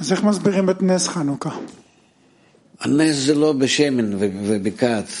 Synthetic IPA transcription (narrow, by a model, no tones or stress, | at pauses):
azeχmazbiʁimet̪nesχanuka | aneszɛlobʲɪʃɛmʲɪnvɛvɛbʲɪkat̪